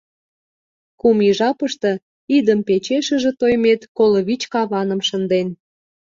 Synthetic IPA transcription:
kumiʒɑpəʃt̪ɤ̆ | id̪əmpet͡ɕeʃəʒĕt̪ojmet̪koləβit͡ɕkɑβɑnə̆mʃə̆nd̪en

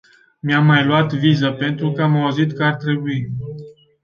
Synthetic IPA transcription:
miamːajluat̪vizəpe̞nt̪ɾukəamauzit̪kəart̪ɾe̞bui

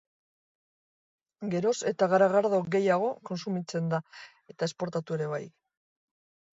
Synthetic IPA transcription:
ɡe̞ɾo̞se̞t̪aɣaɾaɣ̞aɾð̞o̞ɡe̞jaɣ̞o̞ko̞nsumit͡se̞nd̪a | e̞t̪ae̞spo̞ɾt̪at̪ue̞ɾe̞β̞aj

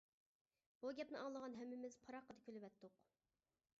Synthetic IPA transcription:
b̥uɡʲɛpnɪɑŋlˠəʁɑnɦɛmːɪmɪz̥pʰɑɾɑqːəd̪ɑkʲʰølyvɛt̪ːʊq

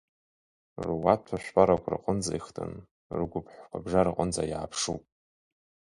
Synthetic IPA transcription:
rwatʰaʃʷᶣpʼaɾakʷʰr̰qʼənd͡za̰iχtʰʼɨ̰n | rɡʷʊpʰħʷkʷʰabʐarɨqʼənd͡zajaapʰʂupʼ

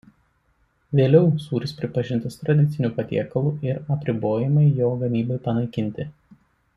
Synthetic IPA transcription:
ʋʲeːlʲɛʊsuːɾʲɪspʲɾʲɪpɐʒʲɪnt̪ɐst̪ɾɐd̪ʲɪt̪sʲɪnʲuːpɐt̪ʲḭɛkɐlˠuːʔɪɾɐpʲɾʲɪboːjɪmɐɪjoːɡɐmʲiːbɐɪpɐnɐɪkʲɪnʲˑt̪ʲɪ

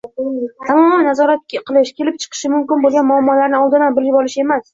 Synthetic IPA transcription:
t̪ʰamɒmannazɒɾat̪̚ʲqʰɨlˠɪʃkʲe̞lɪp̚t͡ʃʰɨ̥qʰɨ̥ʃɪmʊmkʲɪnbolˠɡanmʊamːɒlaɾnɪɒlˠd̪ɪnanbɪljɪbɒlɪʃe̞mas

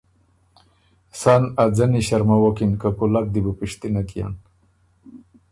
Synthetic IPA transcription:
sanad͡zaniɕaɾmawokinkakulak̚d̪ibupiʂt̪inakija̰n

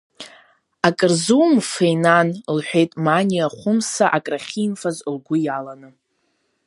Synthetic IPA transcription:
akʼɨrzuwmfejnanlħʷᶣe̞jtʼmanʲiaχʷʊmsaʔakʼraχʲinfazlɡʷʊjalanɨ

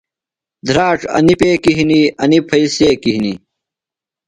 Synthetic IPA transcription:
d̪ʱɾaːʈ͡ʂɐ̰nipeːkiɦiniɐnipʰɐiseːkiɦinḭ

